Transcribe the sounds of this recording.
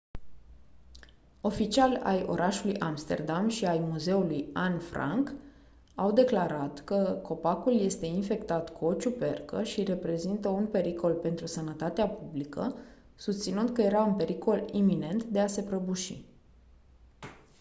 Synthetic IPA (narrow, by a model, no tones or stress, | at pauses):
o̞fit͡ʃialʲa̰jo̞̰ɾʔaʃulujʔamst̪e̞̰rd̪amʃiajmuze̞ulujanfɾa̰ŋk | awd̪e̞klaɾat̪kəkʰo̞pakulje̞st̪e̞infe̞kt̪at̪kuo̞t͡ʃupe̞rkəʃiɾe̞pɾe̞zint̪əunpe̞ɾiko̞lpe̞nt̪ɾusənət̪at̪eapublikə̰ | sust̪sinɨnd̪̚kəje̞ɾaunpe̞ɾiko̞limine̞nt̪d̪ease̞pɾəbuʃḭ